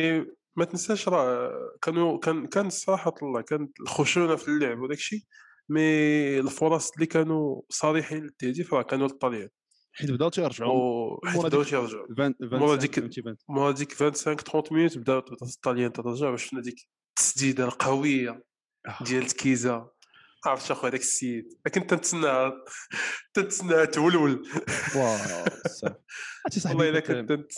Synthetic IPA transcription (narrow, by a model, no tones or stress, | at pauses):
mæt̪nəsæʃɾˤɑkænukænkænət̪sˤɑɾˤɑħɑt̪lˤːɑkænət̪lxuʃunafilːəʕbwlækʃi | milfʊɾˤɑsˤlːikænusˤɑɾiħinlət̪ːæd̪ifɾˤɑkænult̪ˤːɑljæn | ħit̪bd̪ælt̪jəɾˤʒaid̪d̪æt̪jəɾˤʒaʕmɾˤɑd̪ik̪mɑɾˤɑd̪ikvænt̪sækt̪ɾɔ̃nt̪mnut̪bd̪ælt̪bd̪ælt̪ˤːɑljænt̪æt̪əɾˤʒaʕbæʃnːæd̪ik | t̪ːə̥sd̪id̪alqɑwəjːa | d̪jælətkiza | ʔaʕɾəfʃæxuhæd̪æksijət̪lækənt̪ːænt̪snːæ | t̪ænt̪snːæht̪wəlwəlw | st̪isˤlˤːɑlækənt̪ːænt̪